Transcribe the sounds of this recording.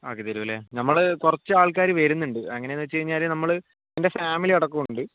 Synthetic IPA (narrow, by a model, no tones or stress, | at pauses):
a̰ːkit̪ɐɾuʋɐlenɐmːɐɭkurɐt͡ɕːɨaːɭk̬aːɾiʋeːɾunːuɳɖɨɐŋːɐnenːɨt͡ɕːejiɲːaːlnɐmːɐɭɨ | ende̞faːmiliɐɽɐkːumuɳɖɨ